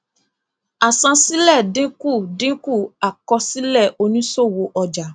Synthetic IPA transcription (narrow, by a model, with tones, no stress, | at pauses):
a˨sã˧si˦lɛ˦˨dĩ˨˦ku˦˨dĩ˦ku˦˨a˨kɔ˧si˦lɛ˦˨ʔo˧nĩ˦so˦˨wo˧ʔɔ˧d͡ʒa˨˦